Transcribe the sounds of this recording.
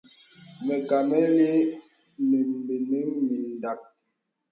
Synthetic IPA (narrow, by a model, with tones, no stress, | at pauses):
mɛ˨ka˨mɛ˦le˦ | mi˨mbi˨nə˦ŋmi˨n̩˨da˨k̚